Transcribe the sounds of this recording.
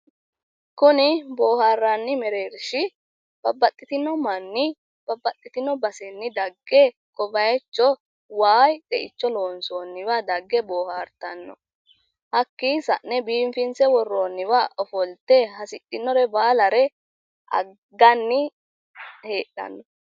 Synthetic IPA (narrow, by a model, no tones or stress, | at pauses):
kʊnɪbo̞ːhaːrːanːɪmɛɾe̞ːɾʃɪ | b̥ɐbːɐt̪ʼːɪt̪ɪnːɔmɐnːɪ | b̥ɐbːɐt̪ʼːɪt̪ɪnːɔbɐsɛnːɪd̪ɐɡːɛ | kʼɔbɐjɛt͡ʃːɔ | waːjd̪ɛʔɪt͡ʃːɔlo̞ːnsoːnːɪwad̪ɐɡːɛbo̞ːhaːɾt̪ɐnːɔ̰ | hɐkːɪsɐ̰ʔnɛbiːmfɪnsɛwɔrːoːnːɪwaːʔɔfɔlt̪ːɛɦɐsɪt̪ʼːɪnːɔɾɛbaːlɐɾɛ | ʔɐ̰ | ɡːɐnːɪ | heːɗɐ̰nːɔ